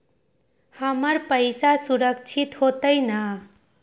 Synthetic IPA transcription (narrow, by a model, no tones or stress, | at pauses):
həməɾpəjsasuɾəkt͡ʃʰit̪hot̪əjnə